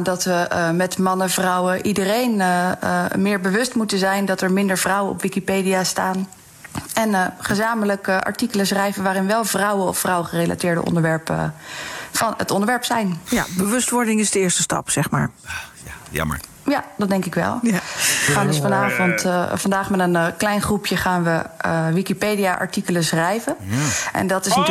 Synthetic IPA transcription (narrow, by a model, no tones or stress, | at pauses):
dɑtʋəmɛtmɑnəvrʌwəʔidərejn | mɪːɹbəʋɵstmutənzɛjndɑtɛɹmɪndəɹvrʌwənɔ̰pʋikipejdijastaːn | ɛnχəzaːmələkʔɑ̰ɹtikələsrɛjvənʋaːɾɪnʋɛlˠvrɑwənɔ̰ffrʌwəχərejlʔa̰tɪːɹdə̰ʔɔ̰ndəɹʋɛɹp | fɑnətɔndəɹʋɛɹpsɛjnjabəʋɵstʋɔɹdɪŋɪzdəɪːɹstəstɑ̰psɛχma̰ːɹ̰ | jad̥ɑd̚dɛŋkɪkʋɛ̰lˠʋəχaːndøsfɑnaːvɔntvɑndaːχmɛtənklɛjnχrupjəχaːnʋəʋikipejdijaʔɑ̰ɹtikələsrɛjvəʔɛ̰ndɑtɪsnat